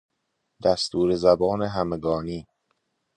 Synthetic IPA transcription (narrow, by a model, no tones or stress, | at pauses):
d̪æst̪ʰuːɾezæbɒːneɦæmeɡɒːniː